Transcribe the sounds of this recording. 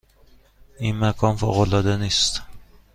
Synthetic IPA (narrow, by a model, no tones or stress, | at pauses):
inmakʰɒnfo̰ʁolɒd̪anist̪